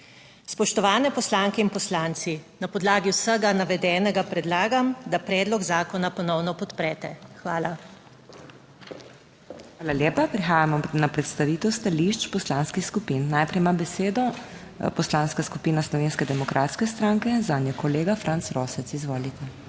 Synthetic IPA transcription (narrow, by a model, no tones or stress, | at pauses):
spɔʃt̪ɔʋaːnɛpɔslaːŋkɛinpɔslaːnsinapɔd̪laːɡiwsəɡanaʋɛd̪ɛːnɛɡapɾɛd̪laːɡamd̪apɾɛːd̪lɔɡzaːkɔnapɔnɔwnɔpɔt̪pɾɛːt̪ɛxʋa̰ːla | xaːlaljeːpapɾixaːjamɔnapɾɛt̪st̪aʋiːt̪ɛwst̪aliʃt͡ʃpɔslaːnskixskupinːaːjpɾɛjmabɛseːd̪ɔ | pɔslaːnskaskupiːnaslɔʋeːnskɛd̪ɛmɔkɾʔaːt̪skɛst̪ɾãŋkɛzaːnjɛkɔleːɡafɾʔantsɾoːsɛt̪sizʋoːlit̪ɛ